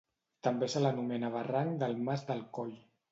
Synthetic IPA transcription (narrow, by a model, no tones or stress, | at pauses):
t̪əmbesələnumɛnaβəraŋd̪əlˠmazd̪əlˠkɔʎ